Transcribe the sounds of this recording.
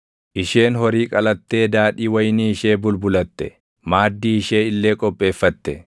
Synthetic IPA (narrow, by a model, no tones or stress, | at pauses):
ʔɪʃe̞ːnɦɔɾiːkʼɐlɐt̪ːe̞ːd̪aːᶑiːwɐjniːɪʃeːbʊlbʊlɐt̪ːɛ | maːd̪ːiːɪʃeːɪlːe̞ːkʼɔpʼːe̞ːfːɐt̪ːɛ